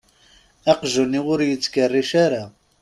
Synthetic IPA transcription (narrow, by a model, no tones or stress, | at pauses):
æqʒəniwʊɾjət͡sːkərːiʃaɾa